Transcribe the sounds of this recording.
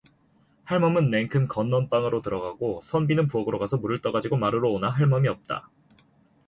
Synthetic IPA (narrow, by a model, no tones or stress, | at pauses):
haɭmʌmɯnme̞ŋkʰɯmkʌnːʌnp͈aŋɯɾotɯɾʌɡaɡ̥osʰʌnbinɯnpuʌɡɯɾoɡasʰʌmuɾɯɭt͈ʌɡad͡ʑiɡomaɾɯɾoːnaɦaɭmʌmiʌp̚t͈a̰